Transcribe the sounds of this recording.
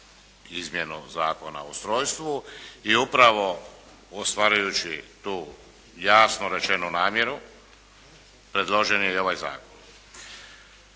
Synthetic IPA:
izmjenṵzaːko̞na̰ost̪ɾo̞ːjst̪ʋuiupɾaʋo̞ | ost̪ʋaːɾajut͡ɕit̪uː | jaːsnoɾe̞t͡ʃe̞nunaːmje̞ɾu | pɾe̞d̪lˠoʒenjeo̞ʋajza̰ːkon

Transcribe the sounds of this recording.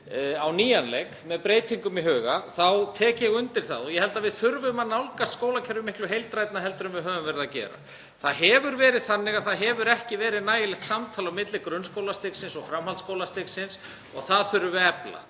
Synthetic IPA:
awniːjanlekmɛðpɾeːjt̪ʰiŋkʏmiɦœːɣaθawt̪ʰɛːcɛɣʏnt̪ɪɾ̥θa̰ðɔjɛhɛlt̪aðvɪðθʏɾvʏmaðnawlkaskoːwlacʰɛɾʏmɪhklʏɦejlt̪ɾajt̪̚naɦɛlt̪ʏɾʏmvɪðɦœːvʏmvɛejɾɪðacɛ̰ːɾa̰ | θaðɦɛvʏɾvɛːɾɪðθanːɪɣaθaðɦɛvʏɾɛhcɪvɛːɾɪðnaːjɪlɛxt̪samt̪ʰaːlawmɪt̪lɪkɾœnskowlast̪ɪksɪnsɔɣfɾamhalskoːwlast̪ɪksɪns | ɔɣθaðθʏɾvɛpla̰

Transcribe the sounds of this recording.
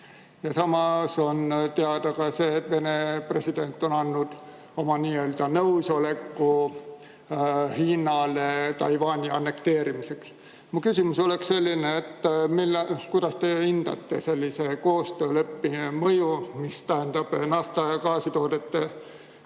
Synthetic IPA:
jɑsɑmɑso̞nt̪e̞ɑd̪̥ɑkɑse̞ːt̪ve̞nepre̞sid̪̥e̞nt̪ːˑo̞nɑnːud̪̥ | o̞mɑniːø̞ld̪̥ɑnɤwso̞le̞kːu | hiːnɑlet̪ɑjvɑːnʲiɑnːe̞kt̪e̞ːɾimise̞ks | mukysʲimuso̞leksse̞lʲːineːt̪ːmilːkujd̪̥ɑst̪e̞ind̪̥ɑ̰t̪ːe̞se̞lʲːise̞ko̞ːst̪øːle̞pːimɤjumist̪æɦend̪ɑb̥nɑft̪ɑɑkɑːsit̪o̞ːd̪̥e̞t̪ːe

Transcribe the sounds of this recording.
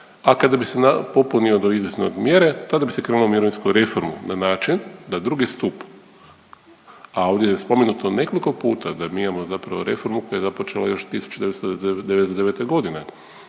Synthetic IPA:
akad̪abisenapo̞puniod̪oizʋjesneod̪mjeɾet̪ad̪abise̞kɾenuomiɾoʋinskuɾe̞foɾmṵnanaːt͡ʃind̪ad̪ɾuɡist̪up | ao̞ʋd̪jejespo̞menut̪one̞ko̞liko̞puːt̪ad̪amiimamo̞zapɾaʋo̞ɾe̞fo̞ɾmuko̞jajezapot͡ʃe̞la̰jo̞ʃt̪isu̥t͡ʃud̪eest̪od̪eeesd̪eet̪eɡo̞d̪ine

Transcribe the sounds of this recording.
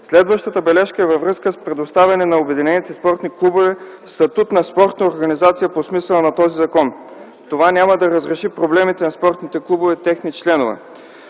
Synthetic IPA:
slɛd̪vəʃt̪ət̪əbɛlɛʃkəɛvɐvɾɤskəspɾɛd̪ost̪avʲɐnɛnɐobɛd̪inɛnit̪ɛspɔɾt̪niklˠubovɛ | st̪ɐt̪ut̪nɐspɔɾt̪nəoɾɡɐnizat̪sijəposmisəlˠənɐt̪ɔzizɐkɔn | t̪ovanʲaməd̪ɐɾəzɾɛʃipɾoblɛmit̪ɛnɐspɔɾt̪nit̪ɛklˠubovɛt̪ɛxnit͡ʃlɛnovɛ̰

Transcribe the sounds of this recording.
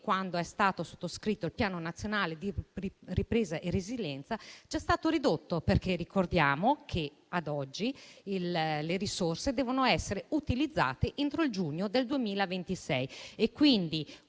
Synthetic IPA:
kwand̪oɛst̪aːt̪oso̥t̪ːoskɾit̪ːoilpjaːnonat̪sːjonaːled̪iripɾeːzaʔereziljɛnt̪sad͡ʒɛst̪aːt̪oɾid̪ot̪ːoperkerːikord̪jaːmokʰe | ad̪ɔd͡ʒːiilleɾisorsed̪ɛːvonoɛsːeɾeut̪ilid̪zːa̰ːt̪eʔent̪ɾoild͡ʒuɲːod̪eld̪uemiːlavent̪isɛjekːwind̪i

